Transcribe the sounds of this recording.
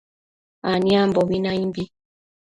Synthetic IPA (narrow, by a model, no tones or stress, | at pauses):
aniambɔbinaimbi